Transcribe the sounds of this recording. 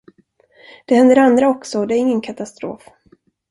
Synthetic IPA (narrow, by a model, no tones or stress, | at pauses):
d̪̥ɛhɛnd̪əɾand̪ɾaɔksɔd̪ɛæɾɪŋːənkʰat̪ast̪ɾo̰ːf